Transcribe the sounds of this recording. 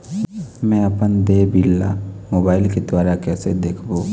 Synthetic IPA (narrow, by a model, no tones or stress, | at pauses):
mɛ̃ɐpənd̪eːbilːa̰moːbaːɪlked̪waːɾakɛːsed̪eːkʰboː